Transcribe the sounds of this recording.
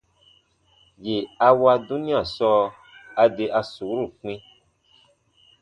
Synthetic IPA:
je˨a˨wa˧du˦nĩ˦ã˦˨sɔ˦ | a˨ɖe˨ʔa˨su˨wɾu˦˨k͡pĩ˦

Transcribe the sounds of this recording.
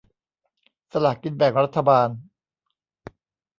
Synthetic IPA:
sa˧laː˨˩kkːi˧nbɛ˨˩ŋɾa˦˥t̪ʰːa˧baː˧n

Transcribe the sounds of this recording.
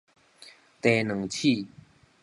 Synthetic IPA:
t̪e˨˩nə˨˩˦ŋt͡ɕʰi˥˨

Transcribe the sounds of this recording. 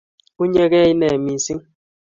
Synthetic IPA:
u˦ɲe˦ɣɛ˦i˦nɛ˨mi˨si˦ŋ

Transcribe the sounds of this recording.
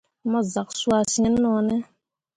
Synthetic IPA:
ma˦za˨ksu˦a˦˨sĩ˦nːɔ˨nɛ˦

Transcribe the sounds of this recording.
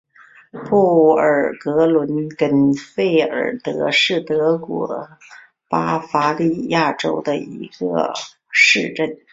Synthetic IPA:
pɔ˥˩ə˞˨˩kɤ˧˥lwə˧˥nkə˥nfe˥˩ɪə̰˞˨˩t̪ɤ˧˥ʂɻ̩˥˩t̪ɤ˧˥kwɔ˧˥ | pa˥fa˧˥li˥˧ja˥˩ʈ͡ʂo˥ʊd̪ə˨˧ḭ˧˥ɡə̰˧ | ʂɻ̩˥˧ʈ͡ʂə˥˩n

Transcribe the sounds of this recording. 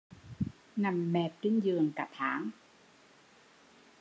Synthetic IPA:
na˧˩mːɛː˧˩p̚kɯ˥˩˨njɯː˧əŋka˨˩t̪ʰaː˩˦ŋ

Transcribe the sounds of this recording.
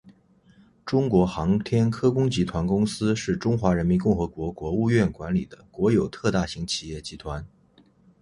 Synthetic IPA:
ʈ͡ʂʊ˥ŋkwɔ˧˥xɑ˧˥ŋt̪ʰjɛ˥nkʰɤ˥kʊ˥ŋt͡ɕi˧˥t̪ʰwa˧˥nkʊ˥ŋsɹ̩˥ʂɻ̩˥˩ʈ͡ʂʊ˥ŋxwa˧˥ɻə˧˥nmi˧˥nkʊ˥˩ŋxɤ˧˥kwɔ˧˥kwɔ˧˥u˥˧ɥɛ˥˩nkwa˧˥nli˨˩d̪ə˦kwɔ˧˥jo˨˩ʊt̪ʰɤ˥˧t̪a˥˩ɕi˧˥ŋt͡ɕʰi̥˨˩jɛ˥˩t͡ɕi˧˥t̪ʰwa˧˥n

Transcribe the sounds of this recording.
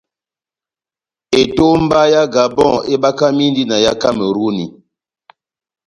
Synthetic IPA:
e˨to˦m˦ba˦ja˦ɡa˨bɔ̃˦˨e˦ba˦ka˦mi˦ndi˦na˨ja˦ka˦me˨ɾu˦ni˨

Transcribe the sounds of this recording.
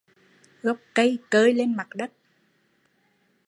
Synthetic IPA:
ɣɔ˨˩wk͡p̚kə˧jkəː˧jle˧nma˨˩t̚ɗə˦˥t̚

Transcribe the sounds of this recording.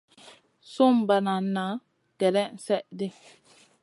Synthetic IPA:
so˦mba˨na˨nːa˨˦ | kɛ˨ɾɛ˦n̩˨sɛ˦ʔdɪ˦

